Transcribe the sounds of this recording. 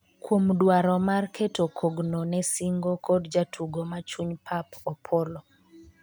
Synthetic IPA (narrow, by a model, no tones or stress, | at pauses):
kwomdwaɾɔmarkʰetokʰoɡnonɛsiŋɡokɔdd͡ʒatʰuɡomat͡ʃuɲpʰapɔpʰɔlɔ